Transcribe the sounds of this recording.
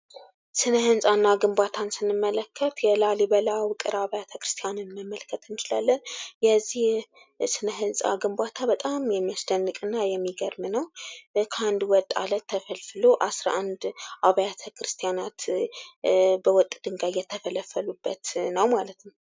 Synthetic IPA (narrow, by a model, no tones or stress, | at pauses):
sɨnəhɨnsʼanːaɡɨmbʷat̪ʰansɨnːɨmːələkːət̪jɛlalibəlawɨkʼɨɾaβəjat̪ʰəkɾɨ̥st̪ʰijanɨnməmːəlkʰːət̪ʰɨnt͡ʃɪlalːənjɛzːih | sɨnəɦɨnsʼa̰ɡɨmbʷat̪ʰabət̪ʼamjɛmːiasd̪ənːɨkʼɨnːajɛmːiɡəɾmnəwkʰand̪uwɔt̪ʼːa̰lət̪ʰːəfəlfɨloʔasɾaʔand̪ʔaβajat̪ʰəkɾɨst̪ʰijanat̪ | bəwɔt̪ʼd̪̥ɨŋɡajjɛt̪ʰːəfələfːəlubːət̪nəwmalət̪nəw